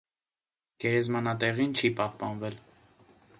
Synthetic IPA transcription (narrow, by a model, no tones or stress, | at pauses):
ɡ̥ɛɾɛzmɑnɑt̪ɛʁint͡ʃʰipɑhpɑnvɛl